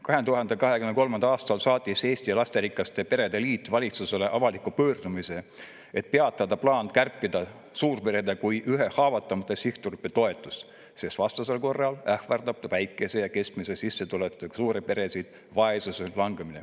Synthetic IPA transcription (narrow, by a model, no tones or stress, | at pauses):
kɑɦe̞nt̪uɦɑnd̪̥e̞kɑɦe̞kymnko̞lmɑnd̪ɑɑːst̪ɑlsɑːt̪ʲːˑise̞ːsʲt̪iɑlɑst̪eɾikːˑɑst̪e̞pe̞ɾe̞d̪̥e̞liːt̪ːˑvɑlʲit̪suse̞le̞ʔɑvɑlikːˑupøːrd̪umise̞ | et̪̚pe̞ɑt̪ːˑɑd̪ɑplɑːnkærpːˑid̪̥ɑ | suːrpe̞ɾe̞d̪ɑkujʔyɦe̞hɑːvɑt̪ːˑɑmɑt̪ːˑesiht̪urypːˑet̪o̞e̞t̪ːˑus | sesvɑst̪ɑselko̞rːɑlæhvɑrd̪ɑp̚t̪ɑvæjkːˑe̞sejɑke̞skmisesisːet̪ulet̪ːˑusuːɾepe̞ɾe̞sid̪̥ | vɑe̞suselɑŋɡeminḛ